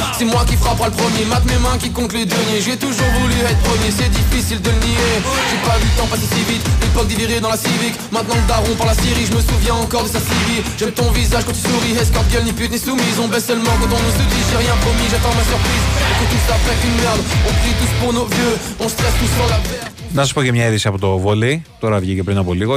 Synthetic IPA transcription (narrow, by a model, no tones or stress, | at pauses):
sɛmwakʲifχapaləpχəmjemɛ̃t̪memɛ̃kʲikɔ̃k̪led̪ønjeʒɛt̪uʒuʁvulyɛt̪χəpχɔmjesɛd̪ifisild̪əlnieʒepaylt̪ɑ̃pasesivit̪lepɔk̚d̪iviʁjed̪ɑ̃lasivikmɛ̃t̪̚nɑ̃ləd̪aʁɔ̃paʁlasiʁiʒəməsuvjɛ̃ɑ̃kɔʁd̪əsasiviʒɛmt̪ɔ̃vizaʒkɑ̃t̪y̥suʁiɛskɔ̃ʁɡɛlnipyt̪nɛsumizɔ̃bɛsɛlmɑ̃kɔ̃t̪ɔ̃nusud̪iʒɛʁjɛ̃pχɔmiʒat̪ɑ̃masyʁpχizpɔskɔt̪usapχɛʔynmɛʁd̪ɔ̃lit̪uspuʁnovjø | ɔ̃st̪χɛst̪usɑ̃laɛ | nãspɔkemɲad̪eʃaput̪ɔ̃vɔlet̪oɾavjekepɾinãpɔlːiɡo